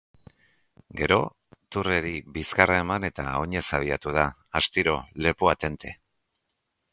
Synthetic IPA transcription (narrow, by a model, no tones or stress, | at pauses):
ɡe̞ɾo̞ | t̪ure̞ɾiβiskarae̞mane̞t̪a̰o̞ɲe̞saβ̞iat̪uð̞aː | st̪iɾo̞le̞puat̪e̞nt̪e̞